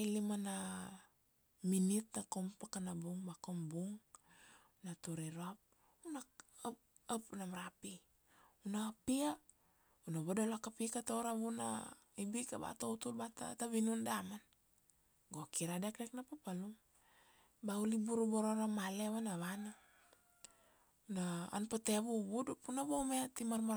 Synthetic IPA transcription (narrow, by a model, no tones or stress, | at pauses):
ilimana | minitnakompakanabuŋbakombuŋ | natuɾiɾoap̚ | unap | apnamaɾapi | unapia | unaβodolakapikatoɾaβuna̰ | ibikaba̰toutulbata̰taβinundaman | ɡokiɾadek̚dek̚napapaluŋ | baulibuɾuboɾoɾamaleβanaβana | una̰ːnpateβuβudupunaβomeatimaɾma